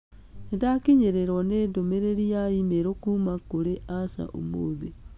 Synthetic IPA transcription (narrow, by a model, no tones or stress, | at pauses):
endakiɲeɾeɾɔneːndomeɾeɾiaimeɾokumakoɾeʔasa̰ʔo̰moðe